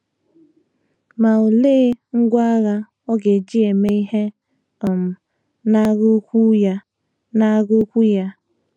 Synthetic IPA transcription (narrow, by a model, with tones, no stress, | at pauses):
ma˨o˨le˦ŋ̩˦ɡʷa˦a˦ɣa˦ | ɔ˦ɡe˨d͡ʒi˦e˨me˦i˦ɦe˦ | ɔ˨m̩˨ | na˦ɣo˦kʷu˦ja˦ | na˦ɡo˦kʷu˦ja˦